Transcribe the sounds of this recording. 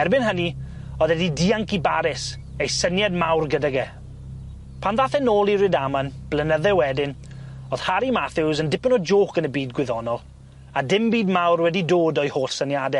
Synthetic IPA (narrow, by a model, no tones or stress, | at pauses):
ɛrbɪnɦəni | ɔðɛdidiaŋkibaɾɪs | ejsənjɛd̚mawrɡədaɡɛ | pʰanðaθɛnoːlˠiɾɨdamanb̥lənəðɛwɛdɪnoð̥haɾimaθɪwzəndɪpnɔd͡ʒoːkənəbiːdɡwɪðɔnɔlˠ | adɪmbiːdmawrwɛdidoːdɔjhoːɬsənjadɛ